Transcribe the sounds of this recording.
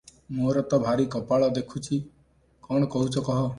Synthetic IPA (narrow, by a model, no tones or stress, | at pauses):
moɾɔt̪ɔbʱaɾikɔpaɭɔd̪ekʰut͡ʃʰi | kɔɽ̃ɔkɔɦut͡ʃʰɔkɔɦɔ